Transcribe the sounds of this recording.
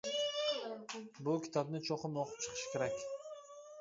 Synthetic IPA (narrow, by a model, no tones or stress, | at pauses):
bʊkʲʰi̥t̪ʰɒbnɪt͡ʃʰoqʰɨmoqʰʊ̥p̚t͡ʃʰɨ̥qʰɨ̥ʃkʲʰeɾakʲ